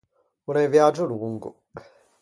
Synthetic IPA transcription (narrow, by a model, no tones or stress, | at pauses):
unaivjad͡ʒʊluŋɡʊ̰